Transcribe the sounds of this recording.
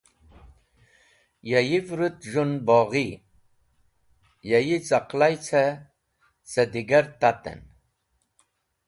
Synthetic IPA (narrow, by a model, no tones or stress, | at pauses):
jajivɾut̪ʒunbɔʁi | jajit͡saqlajt͡sʰa | t͡sad̪iɡaɾt̪at̪ə̰n